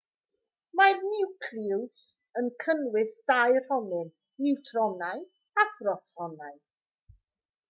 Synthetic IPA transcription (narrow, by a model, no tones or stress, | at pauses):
marnɪwkʰlɪws | ənkʰənwɪsd̥ajr̥hɔnɨn | nɪwtʰrɔnaj | afrɔtʰrɔnaɨ